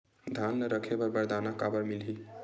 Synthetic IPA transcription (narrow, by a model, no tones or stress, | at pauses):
d̪ʱanləɾəkʰebəɾbəɾd̪anakabəɾmilɦi